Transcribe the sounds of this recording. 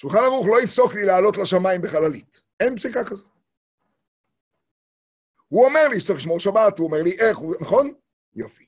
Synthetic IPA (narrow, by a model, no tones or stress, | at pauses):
ʃulχanaʁuχlo̞ifso̞klilaːlo̞tlaʃamaimbeχalalit | enpsikakazot̚ | huome̞ʁliʃtt͡siχliʃmo̞ʁʃabatuomeʁliʔe̞χunaχo̞n | jofi̥